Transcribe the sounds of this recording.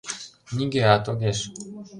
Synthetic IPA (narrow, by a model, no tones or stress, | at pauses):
nʲiɡʲeat̪oɡʲeʃ